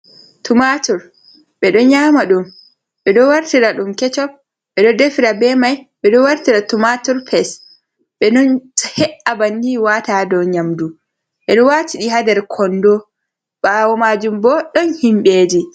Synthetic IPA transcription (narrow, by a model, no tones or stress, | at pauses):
tumatuɾ | ɓɛɗɔɲaːmaɗum | ɓɛɗɔwaɾtiɾaɗumkɛt͡ʃɔ | ɓɛɗɔdefiɾabɛmajɓɛɗɔwaɾtiɾatumatuɾpʰɛs | ɓɛnɔnhɛʔabandiwatadɔɲamdu | ɓɛɗɔwatiɗiɦadɛɾkʰɔndɔ | ɓaːwɔmaːd͡ʒumbɔɗɔnhimɓeːd͡ʒi